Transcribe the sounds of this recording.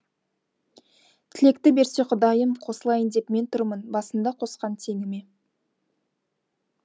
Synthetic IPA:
t̪ʰɪle̞k̚t̪ɪbe̞ɾse̞qʰʊd̪ɑjəmqʰo̞səlˠɑjənd̪e̞pme̞nt̪ʰʊɾmənbɑsənd̪ɑqʰo̞sqɑnt̪ʰe̞ŋɪme̞

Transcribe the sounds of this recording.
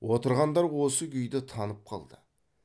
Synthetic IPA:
wo̞t̪əɾʁɑnd̪ɑɾwo̞səkʲʰʏjd̪ɪt̪ʰɑnəp̚qʰɑ̰lˠd̪ə

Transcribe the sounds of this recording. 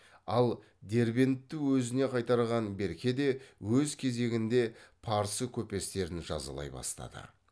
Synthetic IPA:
ɑlˠ | d̪e̞ɾbe̞nt̪ːuwɵzɪne̞qʰɑjt̪ɑɾʁɑnbe̞ɾkʲe̞d̪e̞wɵzkʲʰe̞ze̞ɡʲɪnd̪e̞pʰɑɾsəkʲʰɵpe̞st̪e̞ɾɪnʒɑ̰zə̰lˠɑ̰jbɑ̰st̪ɑ̰d̪ə̰

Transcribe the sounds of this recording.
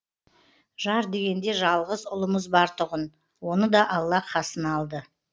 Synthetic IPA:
ʒɑɾd̪e̞ɡʲe̞nd̪e̞ʒɑlˠʁəzʊlˠəməzbɑɾt̪ʰʊʁən | wo̞nəd̪ɑʔɑlˠːɑqʰɑsənɑlˠd̪ə

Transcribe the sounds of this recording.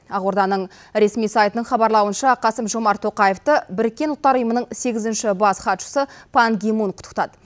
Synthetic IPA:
ɑʁoɾd̪ɑnəɴ | ɾe̞smijsajt̪ənəɴχɑbɑɾlˠɑwənʃɑqʰɑsəmʒo̞mɑɾt̪ʰo̞qɑjeft̪əbɪɾɪk̚ʲːe̞nʊlˠt̪ːɑɾʊjəmənəɴse̞ɡʲɪzɪnʃɪbɑsχɑt̪ʃə̥səpʰanɡʲemunqʰʊ̥t̪ə̥qt̪ɑd̪ə

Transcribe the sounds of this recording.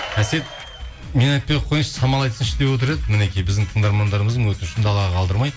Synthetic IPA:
æse̞t̪̚ | me̞nɑjt̪̚pejqʰojnɪʃsɑmɑlˠɑjt̪ənɪʃt̪e̞pwot̪̬ɪɾe̞d̪ɪmɪne̞kʲijbɪzd̪ɪŋt̪ʰəɴd̪ɑɾmɑnd̪ɑɾəməzd̪əɴwɵt̪ɪnɪʃɪnd̪ɑlˠɑʁɑqʰɑlˠd̪əɾmɑj

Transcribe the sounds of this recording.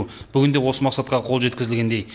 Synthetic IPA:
b̥ʏɡʲɪnd̪e̞wo̞səmɑqsɑt̪qɑqʰo̞lˠʒe̞t̪kʲɪzɪlɡʲend̪e̞j

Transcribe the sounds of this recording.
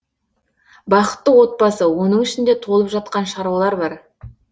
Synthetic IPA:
bɑqə̥t̪ːəwo̞t̪̚bɑsəwo̞nəɴɪʃɪnd̪et̪ʰo̞lˠəpʒɑt̪̚qɑnʃɑɾɑlˠɑɾbɑɾ

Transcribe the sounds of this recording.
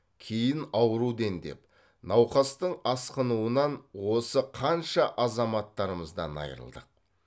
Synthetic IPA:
kʲʰejɪnɑwəɾud̪e̞nd̪e̞̰p | nɑwqɑst̪əɴɑsqənuənɑnwo̞səqʰɑnʃɑʔɑzɑmɑt̪ːɑɾəməzd̪ɑnɑ̰jɾə̰lˠd̪ə̰q̚

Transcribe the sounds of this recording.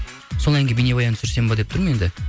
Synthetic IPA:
solˠɑjŋɡʲbinebɑjɑnsʏɾse̞mbɑd̪ept̪ʊɾməend̪ɪ

